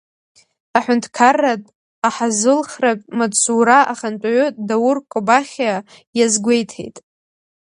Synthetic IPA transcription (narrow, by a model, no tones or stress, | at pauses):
aħʷᶣʊntʰʼkʰarːatʼ | aħazɨlχrapʼmat͡sʰuɾaʔaχant͡ʃʼʕʷʊdawʊrkʷʼobaχʲa | jazɡʷe̞jtʰḛjtʼ